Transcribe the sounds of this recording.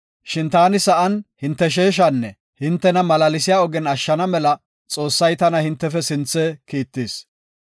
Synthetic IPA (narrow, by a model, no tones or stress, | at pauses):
ʃɪnt̪aːnɪsɐʔɐnhɪnt̪ːɛʃ̬eːʃ̬ɐnːɛ | hɪnt̪ːɛnɐmɐlɐlɪsɪjaːɔɡɛnɐʃːɐnɐmɛlɐ | t͡sʼo̞ːsːɐjt̪ɐnɐhɪnt̪ːɛfɛsɪnt͡sːɛkiːt̪ːiːs